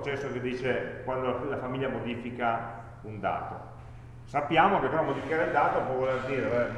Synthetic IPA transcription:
t͡ʃɛsːoked̪iːt͡ʃekwand̪olafamilːjamod̪iːfika | und̪a̰ːt̪o̰ | sapːjaːmokekenamod̪ifikaɾeild̪aːt̪opwɔvolerd̪iːɾee

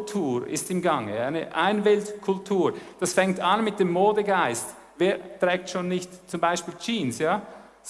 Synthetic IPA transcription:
tʰuːɾɪ̰stɪmɡɑŋəaɪnəʔaɪnvɪltkʰʊltʰuːɹd̥asfɛŋktanmɪt̚d̥eːmːoːdəɡaɪst | veːtʁ̥ɛːk̚tʃoːnːɪçtt͡sʊmbaɪʃpiːlt͡ʃiːnsjaː

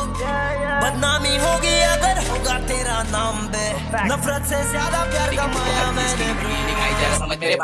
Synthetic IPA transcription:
bɐd̪naːmiɦoːɡiɐɡəɾɦoːɡat̪eːɾanaːmbe | nɐfɾət̪sezjaːd̪apjaːɾkɐmaːjamɛ̃ːnebu

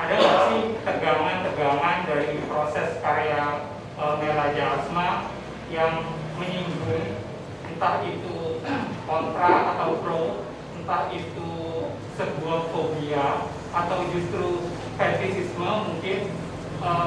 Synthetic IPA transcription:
ʔadakaɾait̪əɡaŋant̪əɡaŋandaɾipɾosɛskaɾea | ʔəmelad͡ʒaːsma | jaŋ | məɲiŋɡʊn | nt̪ahit̪ukɔnt̪ɾaat̪awplo | nt̪ahit̪u | səbuafobia | at̪awd͡ʒust̪ɾu | fɛnt̪isisməmuŋkɪn | ə

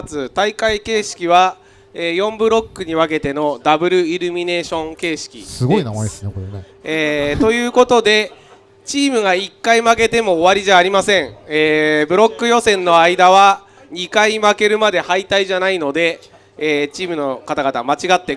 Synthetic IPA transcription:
t͡sɨt̪aikaike̞ːɕi̥kʲiβ̞a | eːjõ̞mbɯ̟ɾo̞kːɯ̟ɲ̟iβake̞t̪e̞no̞d̪abɯ̟ɾɯ̟iɾɯ̟mʲine̞ːɕõ̞ŋke̞ːɕi̥kʲḭsɨɡo̞inamaesnekoɾene | eːt̪o̞jɯ̟ːko̞t̪o̞d̪e̞ | t͡ɕiːmɯ̟ɡaikːaimake̞t̪e̞mo̞ːβaɾʲiʑaːɾʲimasẽ̞ŋeːbɯ̟ɾo̞kːɯ̟jo̞sẽ̞nːo̞aid̪aβ̞a | ɲ̟ikaimake̞ɾɯ̟mad̪e̞hait̪aiʑanaino̞d̪e̞ː | t͡ɕiːmɯ̟no̞kat̪aɡat̪amat͡ɕiɡat̪ːe̞

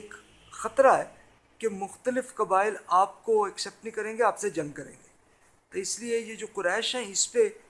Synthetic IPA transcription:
eːk | xɐt̪ɾaɦɛː | kemʊxt̪əlɪfkɐbaːɪlaːp̚koɛksɛp̚ʈnĩkɐɾẽːŋɡeaːpsed͡ʒɐ̃ŋɡ̚kɐɾḛ̃ːŋɡeː | t̪oɪsliejed͡ʒoːqʊɾɛːʃɦɛ̃ɪspe

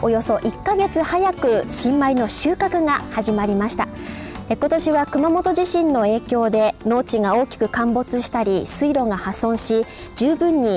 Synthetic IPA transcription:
o̞jo̞so̞ʔikːaɡe̞t͡sɨhajakɯ̟ɕĩmːaino̞ɕɨːkakɯ̟ɡahaʑimaɾʲimaɕi̥t̪a | eko̞t̪o̞ɕiβakɯ̟mamo̞t̪o̞ʑiɕĩnːo̞e̞ːkʲo̞ːd̪e̞no̞ːt͡ɕiŋao̞ːkʲi̥kɯ̟kãmbo̞t͡sɨɕi̥t̪aɾʲisɨiɾo̞ŋahasõ̞ɰ̃ɕi | d͡ʑɨːbɯ̟̃ɲ̟ːi

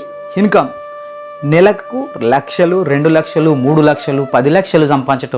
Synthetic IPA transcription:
hinkɐm | nɛlɐkɐkulɐkʂɐluɾe̞ɳɖulɐkʂɐlumuːɽulɐkʂɐlupɐd̪ilɐkʂɐlusɐmpaːit͡ʃɐʈɐ

